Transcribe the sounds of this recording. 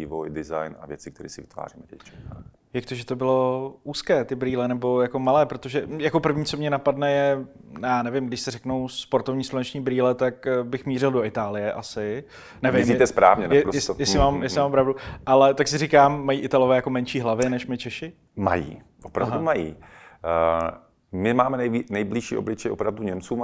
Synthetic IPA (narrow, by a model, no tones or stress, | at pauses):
iːvojdɪza̰jnavjɛt͡sɪk̚t̪ɛɾḭːsɪvɪ̥t̪va̰ːriːmɛvɛt͡ʃt͡ʃa | jak̚t̪oʒɛt̪o̞bɪlo̞ʔuːskɛːt̪ɪbɾiːlɛnɛbo̞jako̞malɛːpɾo̞t̪o̞ʒɛjako̞pr̩vɲiːt͡so̞mɲɛnapadnɛjɛjaːnɛvɪmɡdɪʃsɪrɛknowspo̞ɾt̪ovɲiːslonɛt͡ʃɲiːbɾiːlɛt̪akbɪxmiːrɪldo̞ɪt̪aːlɪjɛʔasɪ | nɛvɪmit̪ɛspɾa̰ːvɲɛnɛɾosjɛsjɛsɪmaːmjɛsɪmaːmpɾavduʔalɛt̪aksɪrikaːmːajiːʔɪt̪alovɛːjako̞mɛnʃiːɦlavɛnɛʃmɪt͡ʃɛʃɪ | ma̰jḭː | ʔopɾavɦdumajḭː | mɪmaːmɛnɛjinɛjbliʃḭːʔoblɪt͡ʃɛjʔopɾavduɲɛmt͡suːm